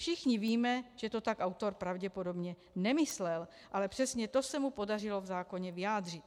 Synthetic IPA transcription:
fʃɪxɲɪviːmɛʒ̥ɛt̪o̞t̪akawt̪o̞ɾpɾavɟɛpo̞dobɲɛ | nɛmɪslɛl | ʔalɛpr̥ɛsɲɛt̪osɛmupo̞dar̝ɪlo̞vzaːko̞ɲɛvɪjaːd̪r̝ɪt̪

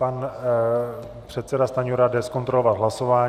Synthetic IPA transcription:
pan | pr̝̥ɛt̪sɛdast̪aɲuɾadɛsko̞nt̪ɾo̞lo̞vat̪ɦlaso̞vaː

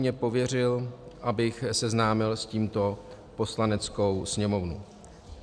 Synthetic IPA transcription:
ɲɛpo̞vjɛr̝ɪlʔabɪxsɛznaːmɪlsciːmt̪o̞ | po̞slanɛt͡sko̞wsɲɛmo̞vnṵ

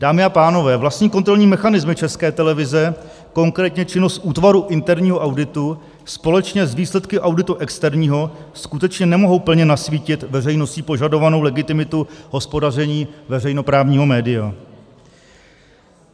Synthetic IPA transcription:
d̥aːmɪapaːno̞vɛːvlast̪ɲiːkont̪ɾoɲiːmɛxanɪzmɪt͡ʃɛskɛːt̪ɛlɛvɪzɛ | ko̞ŋkɾɛːt̪ɲɛt͡ʃɪno̞st̪ʔuːt̪vaɾuʔɪnt̪ɛɾɲiːɦo̞ʔawdɪt̪u | spo̞lɛt͡ʃɲɛzviːslɛt̪kɪʔawdɪt̪uʔɛkst̪ɛɾɲiːɦo̞skut̪ɛt͡ʃɲɛnɛmo̞ɦo̞wpl̩ɲɛnasviːcɪt̪vɛrɛjno̞sciːpo̞ʒado̞vano̞wlɛɡɪt̪ɪmɪt̪uɦo̞spo̞dar̝ɛɲiːvɛrɛjno̞pɾaːvɲiːɦo̞mɛːdɪja

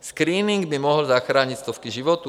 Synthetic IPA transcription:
skɾiːniŋɡbimɔɦlzaxɾaːɲicst̪ɔfkiʒiʋɔt̪u

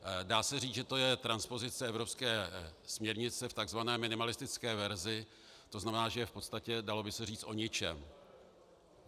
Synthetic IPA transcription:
daːsɛriːt͡sʒɛt̪o̞jɛt̪ɾanspo̞zɪt͡sɛɛvɾopskɛːsmɲɛɾɲɪt͡sɛft̪aɡzvanɛːmɪnɪmalɪst̪ɪt͡skɛːvɛɾzɪ | t̪o̞znamɛnaːʒɛjfpo̞t̪st̪acɛdalo̞bɪsɛriːt͡st̪ʔo̞ɲɪt͡ʃɛ̰m

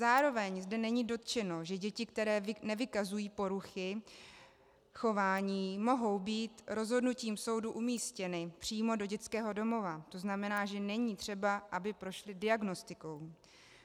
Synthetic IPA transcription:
zaːɾo̞vɛɲzdɛnɛɲiːdo̞t̪t͡ʃɛno̞ʒɛɟɛcɪkt̪ɛɾɛːvnɛvɪkazujiːpo̞ɾuxɪ | xo̞vaːɲiːmo̞ɦo̞wbiːt̪ɾo̞zɦo̞dnuciːmso̞wduʔumiːscɛnɪpr̝̥iːmo̞do̞ɟɛt̪t͡skɛːɦo̞do̞mo̞vat̪o̞znamɛnaːʒɛnɛɲiːt̪r̝̥ɛbaʔabɪpɾo̞ʃlɪdɪaɡno̞st̪ɪko̞w

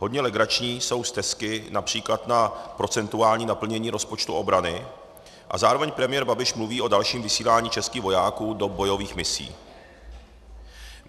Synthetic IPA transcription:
ɦo̞dɲɛlɛɡɾat͡ʃɲiːso̞wst̪ɛskɪnapr̝̥iːklat̪napɾo̞t͡sɛnt̪uaːlɲiːnapl̩ɲɛɲiːɾo̞spo̞t͡ʃt̪uʔo̞bɾanɪ | ʔa̰zaːɾovɛɲpɾɛmɪjɛɾbabɪʃmluviːʔo̞dalʃiːmvɪsiːlaːɲiːt͡ʃɛskiːɣvo̞jaːkuːdo̞bo̞jo̞viːxmɪsḭː

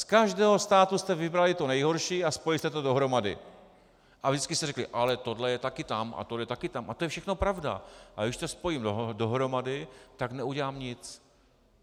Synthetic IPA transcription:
skaʒdɛːɦo̞st̪aːt̪ust̪ɛvɪbɾalɪt̪o̞nɛjɦo̞ɾʃiːaspojɪst̪ɛt̪odo̞ɦɾo̞madɪ̰ | ʔavʒdɪt͡sskɪst̪ɛrɛklɪʔalɛt̪o̞dlɛjɛt̪akɪt̪amʔa̰t̪odlɛjɛt̪akɪt̪amʔat̪ojɛfʃɛxnopɾavda̰ʔaɡɪʃsɛspo̞jiːmdodoɦɾo̞madɪt̪aknɛuɟɛlaːmɲɪt͡s

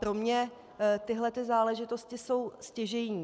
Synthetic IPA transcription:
pɾo̞mɲɛ | t̪ɪɦlɛt̪ɪzaːlɛʒɪt̪o̞scɪso̞wscɛʒɛjɲiː

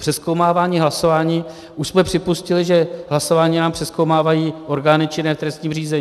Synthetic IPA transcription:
pr̥ɛskowmaːvaːɲiːɦlaso̞vaːɲiː | ʔuʃsmɛpr̥ɪpuscɪlɪʒɛɦlaso̞vaːɲiːnaːmpr̥ɛsko̞wmaːvajiːʔo̞ɾɡaːnɪt͡ʃɪnɛft̪ɾɛst̪ɲiːmriːzɛɲː

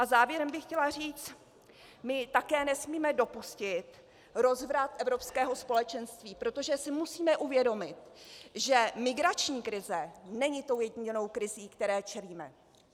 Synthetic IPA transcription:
ʔazaːvjɛɾɛmbɪxcɛlar̝iːt͡s | mɪt̪akɛːnɛsmiːmɛdo̞puscɪt̪ | ɾo̞zvɾat̪ʔɛvɾo̞pskɛːɦo̞spo̞lɛt͡ʃɛnst̪viːpɾo̞t̪o̞ʒɛsɪmusiːmɛʔuvjɛdo̞mɪt̪ʒɛmɪɡɾat͡ʃɲiːkɾɪzɛnɛɲɪt̪o̞wjɛɟɲɪno̞wkɾɪziːkt̪ɛɾɛːt͡ʃɛliːmɛ̰

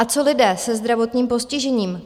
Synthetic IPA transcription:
at͡so̞lɪdɛːsɛzd̪ɾavo̞t̪ɲiːmpo̞scɪʒɛɲiːm

